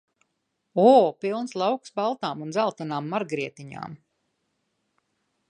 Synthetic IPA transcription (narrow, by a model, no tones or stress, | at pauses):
ɔːpilˠnslˠawksbalˠt̪aːmunzælˠt̪ɔnaːmːaɾɡɾiɛt̪iɲa̰ːm